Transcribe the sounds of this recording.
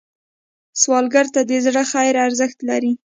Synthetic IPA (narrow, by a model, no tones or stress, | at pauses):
swɑlɡaɾt̪ad̪əzɽəxajɪɾaɾzəxt̪laɾi